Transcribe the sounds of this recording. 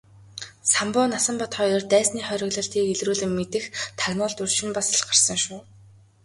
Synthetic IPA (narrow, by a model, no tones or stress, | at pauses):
sampʊːnasə̆mpɔt̪χœjɞrt̪æːsniːχœɾʲɪ̆ɣɮɞ̆ɬt̪iːkeɮruːɮɘ̆mːet̪ɘ̆xt̪ʰarmʊːɮt̪ur̥ʃɪ̆mpasɮɢar̥sə̆ŋʃʊː